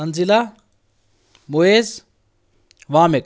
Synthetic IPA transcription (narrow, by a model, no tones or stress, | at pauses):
ɐnzila | moeːz | ʋaːmek